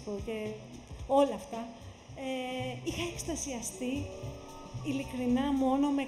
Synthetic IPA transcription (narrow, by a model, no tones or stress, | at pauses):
poce̞ | o̞lɐft̪ɐ | eixɐekst̪ɐsiɐst̪i | ilikɾinɐmo̞no̞me̞